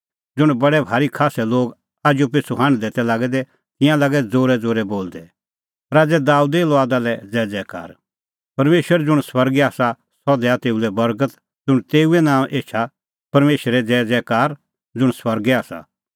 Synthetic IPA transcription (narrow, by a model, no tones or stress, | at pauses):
d͡zʊɽ̃bɐɽɛbʱaːɾikʰaːsɛloːɡ | aːd͡ʒjup̬ɪsʰuɦãːɽ̃d̪ɛːt̪ɛlaːɡɛd̪ɛ | t̪ɪ̃jãlaːɡɛd͡zoːɾɛd͡zoːɾɛboːld̪ɛ | ɾaːd͡zɛd̪aːud̪elɔaːd̪alɛd͡zɛːd͡zɛːka̰ːɾ | pɐɾmeːʃwəɾd͡zʊɽ̃swɐɾɡaːsa | sɔd̪ɛat̪eːulɛbɐɾɡət̪ | d͡zʊɽ̃t̪eːuɛnãːʔeːt͡ʃʰa | pɐɾmeːʃəɾɛd͡zɛːd͡zɛːkaːɾ | d͡zʊɽ̃swɐɾɡɛaːsa̰